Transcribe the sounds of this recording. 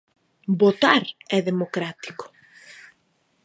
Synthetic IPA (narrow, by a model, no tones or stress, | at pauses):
bot̪aɾɛðemokɾat̪i̥ko̥